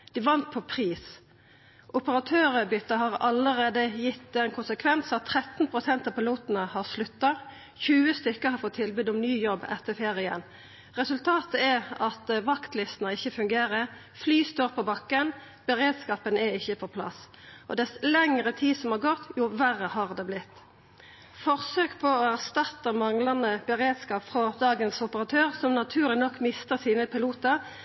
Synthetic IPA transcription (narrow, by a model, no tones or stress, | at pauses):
d̪̥ɪʋɑnt̪̚pʰɔpʰɾiːs | ʔʊpəʁɑt̪ʰøːɾəbʏt̪ːəɦɑʁɑləʁeːd̪əjɪt̪ːænkʰʊnsəkʰʋɛnsɑt̪ʰːʁɛt̪npʰʁʊsɛnt̪ɑpɪluːt̪nəhɑʁslʉt̪ːɑ | çʉːəst̪ʏkːəhɑɾfɔt̪ʰːɪlbʉd̪ʊmnyːjɔbːɛ̰t̪ʰːəfeːʁɪə̰n | ʁɛsʉlt̪ʰɑːt̪əɛʁɑt̪ʋɑkt̪lɪst̪ənəɪçːəfʉŋɡeːɾə | flyːst̪oːʁpʰɔbɑkːən | b̥əʁeːd̪skɑːpənæɪçːəpʰɔpʰlɑ̰s | ʔɔ̰d̪ɛslɛŋʁət̪ʰiːsɔmhɑʁɡɔt̪ːjuːʋæʁəhɑʁd̪ɛːblɪt̪ː | fɔʁsøːkpʰɔɔæʁst̪ɑt̪ːəmɑŋlɑnəbəʁeːd̪skɑːpfʁɔd̪ɑːɡənsʊpəʁɑt̪ʰøːʁsɔmnɑt̪ʰʉːʁlɪnɔkːmɪst̪əsiːnəpɪluːt̪əʁ